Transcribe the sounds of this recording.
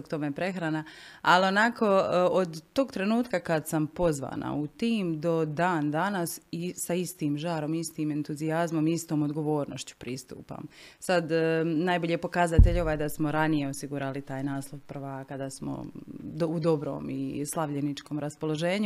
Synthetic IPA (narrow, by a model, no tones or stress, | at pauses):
okt̪o̞mepɾe̞xɾanaalio̞nako̞od̪ːo̞ɡt̪ɾe̞nuːt̪kakad̪sampo̞zʋa̰ːna̰ut̪iːmd̪o̞d̪aːnd̪anasisaist̪iːmʒaːɾo̞miist̪iːme̞nt̪uziazmo̞miist̪o̞ːmod̪ɡo̞ʋo̞ːɾnoʃt͡ɕu̥pɾist̪ṵːpa̰ːmsad̪najboʎepo̞kazat̪e̞ʎo̞ʋaːjd̪asmoɾanije̞osiɡuɾalit̪aːjnaːslˠo̞ʋpər̩ʋaːkad̪aːsmo̰ud̪o̞bɾo̞̰ːmḭslˠaʋʎenit͡ʃko̞ːmɾaspo̞lˠo̞ʒe̞ːɲu